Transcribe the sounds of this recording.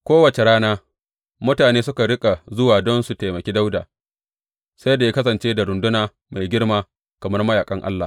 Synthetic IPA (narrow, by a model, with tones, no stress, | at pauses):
kʷoː˦wɐ˨t͡ʃe˨ɽaː˦naː˦ | mʊ˦taː˨neː˦sʊ˦ka˨ɽɪ˦kʼa˨zʊ˦waː˨dɔ˦nsu˨ta˨jmɐ˨kʲiː˦da˦wda̰ː˨ | sa˦jda˨ja˦kɐ˦s̬ɐ˨nt͡ʃeː˦da˨ɾʊ˨ndʊ˦naː˨ | ma˨jɡʲɪ˦rmaː˦ | kɐ˨mɐ˦rmɐ˦jaː˨kʼɐ˦ŋʔa̰˦lːaː˨